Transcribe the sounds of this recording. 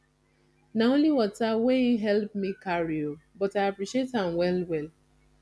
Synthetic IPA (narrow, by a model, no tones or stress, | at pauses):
naõnliwɔtaweiɦɛlp̚mikaɹiobɔtaɪapɹiʃiethãmwɛlwɛl